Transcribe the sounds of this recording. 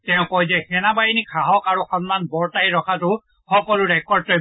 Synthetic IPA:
tɛʊ̃kɔjzɛxɛnabajinikʰaɦɔkaɹuxɔnmanbɔɹtajɹɔkʰatʊ | xɔkɔlʊɹɛkɔɹtɔ

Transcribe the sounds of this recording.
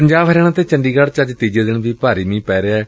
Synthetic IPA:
əɲd͡ʒaːbɦəɾeːnãːt̪eːt͡ʃəɳɖiːɡaɽt͡ʃəd͡ʒt̪iːd͡ʒeːd̪ɪnbiːpaːɾiːmĩːpɛːɾeaːɛː

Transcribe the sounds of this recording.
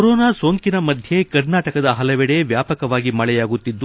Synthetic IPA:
ɾɔːnaːso̞ːŋkinɐmɐd̪ʱjekɐɾnaːʈɐkɐd̪ɐɦɐlɐʋɛɽe̞ʋjaːpɐkɐʋaːɡimɐɭɛjaːɡut̪ːid̪ːu

